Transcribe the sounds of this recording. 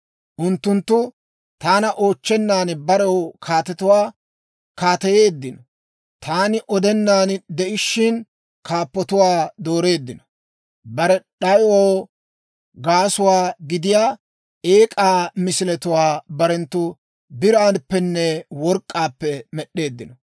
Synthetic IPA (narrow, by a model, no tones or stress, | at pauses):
ʔʊnt̪ːʊnt̪ːʊ | t̪aːnɐʔo̞ːt͡ʃːɛnːaːnbɐɾɐwkʰaːt̪ɛt̪ʊwaː | kaːt̪ɐjeːd̪ːɪnɔ | t̪ʰaːnɪʔɔd̪ɛnːaːnd̪ɛʔɪʃːɪn | kaːpːɔt̪ʊwaːd̪o̞ːɾe̞ːd̪ːɪnɔ̥ | bɐɾɛɗɐjwoː | ɡaːsʊwaːɡɪd̪ɪjaː | eːkʼaːmɪsɪlɛt̪ʊwaːbɐɾɛnt̪ːʊ | bɪɾaːnpːɛnːɛwɔɾkʼːaːpːɛmɛɗːe̞ːd̪ːɪnɔ